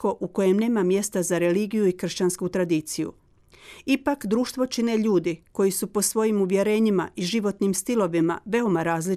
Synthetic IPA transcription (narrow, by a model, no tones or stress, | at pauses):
ko̞ʔuko̞je̞mne̞ːmamje̞st̪azaɾe̞liːɡijuikr̩ʃt͡ɕanskut̪ɾad̪iːt̪sijṵ | ipakd̪ɾuːʃt̪ʋo̞t͡ʃineʎuːd̪iko̞jisupo̞sʋo̞jimuʋje̞ɾe̞ːɲima̰ʔiʒiʋo̞t̪nimst̪ilo̞ʋima̰ʋe̞o̞maɾaːzli